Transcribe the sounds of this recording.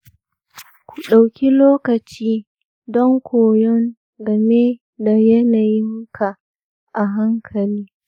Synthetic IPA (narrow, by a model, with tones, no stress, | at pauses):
kʷu˨ɗa˨wkʲi˦loː˦kɐ˨t͡ʃiː˦ | dɔ˦ŋkʷʰoː˨jɔ˦n | ɡɐ˨me˦ | da˨jɐ˦na˨jɪ˦ŋkʰa˨ | ʔa˨ɦa˦ŋkʰɐ˨liː˦